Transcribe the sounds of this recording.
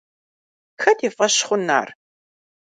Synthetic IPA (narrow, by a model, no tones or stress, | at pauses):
xɐtiːfʼɐɕχʷʊna̰ːr